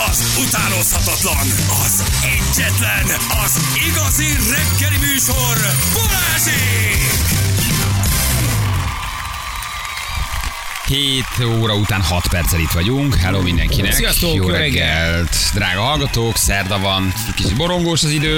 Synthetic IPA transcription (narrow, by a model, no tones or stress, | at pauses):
ɒz | ut̪aːnoshɒt̪ɒt̪lɒn | ɒz | ɛɟːɛt̪lɛn | ɒz | iɡɒzi | rɛɡːɛlimyːʃorbuɾaːʃik | heːt̪oːɾɒut̪aːnhɒt̪pɛrt̪sɛlit̪ʋɒɟuŋkɦɛloːmind̪ɛ̰ŋkinɛsjɒsoːjoːɾɛɾɛɡːɛlt̪d̪ra̰ːɡɒɦɒlɡɒt̪oːksɛrd̪ɒvɒnɛckit͡ʃit̪̚bo̞ɾo̞ŋɡoːʃɒzid̪øː